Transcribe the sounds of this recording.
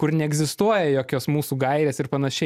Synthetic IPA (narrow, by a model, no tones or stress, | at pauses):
kʊɾnʲɛɛɡzʲɪst̪uɔjɛjoːkʲoːsmuːsuːɡɐɪɾʲeːsɪrpɐnɐʃʲɛ